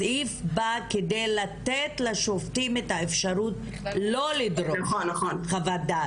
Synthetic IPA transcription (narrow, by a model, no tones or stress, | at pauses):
ifbakedejlat̪et̪laʃoft̪imetaefʃaɾut | lo̞lid̪ɾoχonːaχonχavad̪a